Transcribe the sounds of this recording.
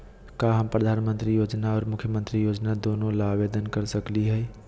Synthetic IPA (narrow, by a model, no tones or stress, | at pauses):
kaɦəmpɾəd̪ʱanmənt̪ɾijod͡ʒnaɔːɾmʊkʰːjəmənt̪ɾijod͡ʒnad̪onolabed̪ənkəɾsəkliɦəɛ